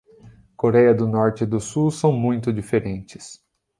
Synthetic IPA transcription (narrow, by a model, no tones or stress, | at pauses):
koɾɛjɐd̪ʊnɔɾt͡ʃɪd̪ʊsusɐ̃w̃mũj̃t̪ʊd͡ʒifeɾẽnt͡ʃɪ̥s